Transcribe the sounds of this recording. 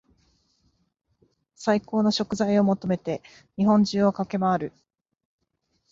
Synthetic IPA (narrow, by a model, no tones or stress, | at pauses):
saiko̞ːno̞ɕo̞kɯ̟zaio̞mo̞t̪o̞me̞t̪e̞ | ɲ̟iɦõ̞ɲ̟d͡ʑɨːokake̞maaɾɯ̟